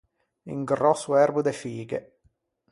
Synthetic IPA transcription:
ḭŋɡrɔsːuɛrbud̪efiːɡḛ

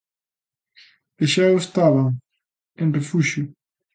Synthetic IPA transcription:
d̥eʃaoest̪aβɐ | ẽnrefuʃʊ

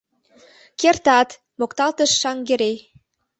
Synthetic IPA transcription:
kert̪ɑt̪ | mokt̪ɑlt̪əʃːɑŋɡeɾe

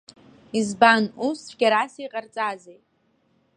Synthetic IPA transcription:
izbanusɡʲaɾasijqʼart͡sʼazejʼ

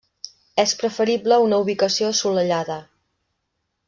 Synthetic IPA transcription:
ɛspɾəfəɾibləunəuβikəsioəsuləʎaðə

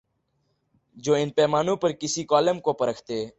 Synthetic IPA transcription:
d͡ʒoːɪnpɛːmaːnõːpəɾkɪsiːkaːlemkoːpəɾəkʰt̪eː

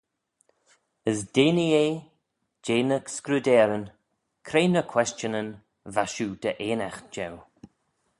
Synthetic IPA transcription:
əsdeːnieː | d͡ʒeːnəkskɾud̪ɛːɾən | kʰɾeːnəkʰw̥ɛst͡ʃənən | vaʃuːd̪̥əʔeːnaxd͡ʒɛw

